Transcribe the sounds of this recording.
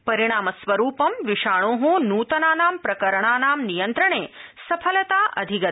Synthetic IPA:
pɐɾiɳ̃aːmɐsʋɐɾuːpɐmʋiʂaːɳoːɦũnuːt̪ɐnaːnaːmpɾɐkɐɾɐɳaːnaːmnijɐnt̪ɾɐɳeːsɐpʰɐlɐt̪aːʔɐ̰d̪ʱiɡɐt̪

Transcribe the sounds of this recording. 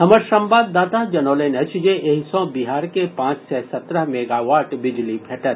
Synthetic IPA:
ɦɐməɾʃɐ̃mbaːd̪ːaːt̪ad͡ʒɐnoːlenɐt͡ʃd͡ʒeʔeɦisɔ̃biɦaːɾkepãːt͡ʃsɛsɐt̪ɾəɦmeɡaʋaːɾʈbɪd͡ʒlipʰɛʈəɾ

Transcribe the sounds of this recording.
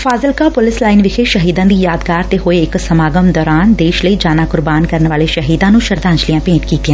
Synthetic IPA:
fʰaːzɪlkaːpʊlɪslaːɪnʋɪkʰeʃəɦiːd̪ãːd̪iːjaːd̪kaːɾt̪eɦoeɪksəmaːɡəmd̪ɔːɾaːnd̪eːʃləiːd͡ʒaːnaːkʊɾbaːnkəɾnʋaːleʃəɦiːd̪ãːnũːʃəɾd̪ãːnd͡ʒlɪijãːpẽːʈkiːt̪ɪjã

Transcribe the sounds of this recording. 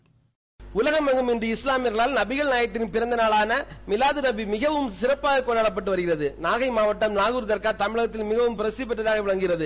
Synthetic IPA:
ʊlɐɣɐmɐŋɡɯmɪndrɯɪslaːmɪɾɣɐɭaːlnɐbɪɣɐɭneaːjɐt̪ːɪnpɪɾɐnd̪ɐnaːɭaːnɐmɪlaːðɯnɐbimɪɣɐʋɯmsɪɾɐpːaːɣɐkːɔɳɖaːɽɐp̬ːɐʈːɯʋɐɾɯɣɪrɐðɯnaːɣɐɪmaːʋɐʈːɐmnaːɣɯɾɯðɐɾkaːt̪ɐmɪɭɐɣɐt̪̬ːɪlmɪɣɐʋɯmpɪɾɐsɪp̬ːɐʈːɐðaːɣɐʋɪɭɐŋɡɪɾɐðɯ

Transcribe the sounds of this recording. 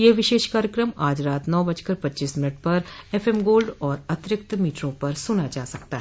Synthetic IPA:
jeːʋɪʃeːʃkaːɾjəkɾəmaːd͡ʒɾaːt̪nɔːbɐd͡ʒkəɾpɐtːt͡ʃiːsmɪnəʈ̚pɐɾefʰemɡoːlɖɔːɾɐt̪ɾɪkt̪miːʈɾõpɐɾsʊnad͡ʒaːsɐk̚t̪aɦɛ

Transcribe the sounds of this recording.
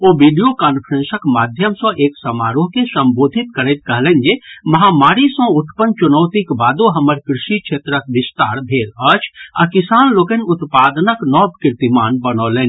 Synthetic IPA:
oʋiːɖijokaːnpʰəɾẽnsəkmaːd̪ʱjəmsɔ̃ʔeːksəmaːɾoɦkesəmboːd̪ʱɪt̪kəɾət̪̚kəɦlɛ̃nd͡ʒemɐɦaːmaːɾisɔ̃ʊt̪pənt͡ʃʊnəwt̪ikbaːd̪oɦəməɾkɾɪʃikt͡ʃʰeːt̪ɾək̚bɪst̪a̰ːɾbʱeːɾət͡ʃʰa̰kɪsaːnloːkənʊt̪paːd̪nəknɔːbkɪɾt̪imaːnbənoːlẽːni

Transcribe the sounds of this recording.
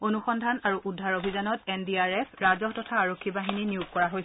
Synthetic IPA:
onuxɔndʱanaɹuʔudʱːaɹobʱizanɔtɛndiaɹɛpʰɹazɔɦtɔtʰaːɹokʰːibaɦininiuɡ̚kɔɹaɦojsɛ

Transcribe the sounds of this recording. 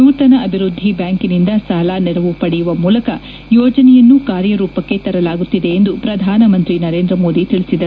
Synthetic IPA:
uːt̪ɐnɐʔɐbʱiɾud̪ʱːibjaːŋkinind̪ɐsaːlaːnɛɾɐʋupɐɽɛjuʋɐmuːlɐkɐ | jɔːd͡ʒɐnɛjɐnːukaːɾjɐɾuːpɐkːe̞t̪ɐɾɐlaːɡut̪ːid̪e̞ːnd̪upɾɐd̪ʱaːnɐmɐnt̪ɾinɐɾe̞ːnd̪ɾɐmo̞ːd̪it̪iɭisid̪ɐɾ

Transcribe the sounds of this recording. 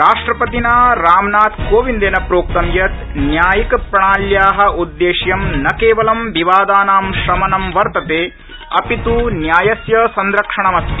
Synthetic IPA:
ɾaːʂʈɾɐpɐt̪inaːɾaːmnaːt̪koːʋind̪eːnɐpɾoːk̚t̪ɐmjɐt̪njaːjikpɾɐɳaːljaːɦɐ̆ud̪ːeːʂjɐmnɐkeːʋɐlɐmʋiʋaːd̪aːnaːmʃɾɐmɐnɐmʋɐɾt̪ɐt̪eː | ɐpit̪uːnjaːjɐsjɐsɐnd̪ɾɐkʂɐɳɐmɐst̪

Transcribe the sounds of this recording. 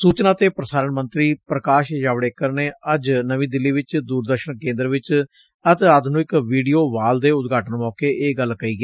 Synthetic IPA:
suːt͡ʃnaːt̪eːpɾəsaːɾəɳmənt̪ɾiːpɾəkaːʃjaːʋɽeːkəɾneːəd͡ʒnəʋĩːd̪ɪlːiːʋɪt͡ʃd̪uːɾd̪əɾʃənkẽːnd̪əɾʋɪt͡ʃ | ət̪aːd̪nũːɪkʋiːɖijoːʋaːld̪eːʊt̪ɡaːʈənmɔːkeːʔeːɡəlkəiːɡeː

